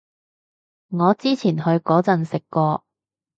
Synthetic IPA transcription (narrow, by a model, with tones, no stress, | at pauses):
ŋɔː˨˧t͡siː˥t͡sʰiː˨˩nhɵ˨˧ɥkɔː˨˥t͡sɐ˨nsɪ˨kːɔː˧